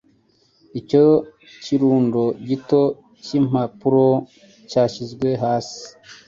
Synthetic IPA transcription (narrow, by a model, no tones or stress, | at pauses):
ico | ciɾuːndo̞ɟito̞ | cim̥apuɾo̞ | caːʃizɡwe̞ɦaːsi̥